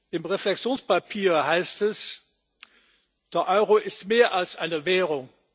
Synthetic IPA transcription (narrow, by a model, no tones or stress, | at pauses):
ʔɪmʁeflɛksjoːnspapʰiːɐhaɪstɛs | d̥eːɐʔɔʏʁoʔɪstmeːɐʔalsʔaɪnəvɛːʁʊŋ